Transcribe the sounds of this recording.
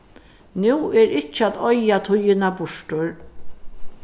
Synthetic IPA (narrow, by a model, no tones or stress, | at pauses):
nuːɛɾɪt͡ʃːəat̪ɔjat̪ʰʊjɪnabʊʂʈʊɾ